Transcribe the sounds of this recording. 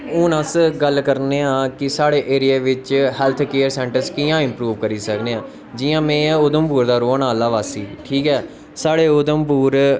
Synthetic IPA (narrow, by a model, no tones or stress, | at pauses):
ʊnəsɡəlkəɾneːãːkɪsaːɽeːʔeːɾɪjaːʋɪt͡ʃhɛːlt̪ʰkeːəɾsɛ̃ːɳʈəɾskɪjãːɪ̃mpɾuːʋkəɾiːsəkneːãː | d͡ʒɪːãːmɛ̃ːʊd̪əmpuːɾd̪aːɾoːnaːlaːʋaːsiːʈʰiːkɛː | saːɽeːʊd̪əmpuːɾ